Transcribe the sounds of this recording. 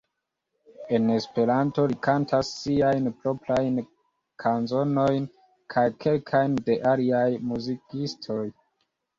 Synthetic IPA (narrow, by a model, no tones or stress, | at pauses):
e̞ne̞spe̞ɾanto̞likantʰasːiajnpɾo̞pɾajn | kʰanzo̞no̞jn | kʰajkʰe̞lkʰajnde̞ʔaliajmuzikistʰo̞j